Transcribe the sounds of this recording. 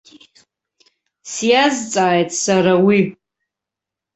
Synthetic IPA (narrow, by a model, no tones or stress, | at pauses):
sjazt͡sʼaːjtʼsaɾawi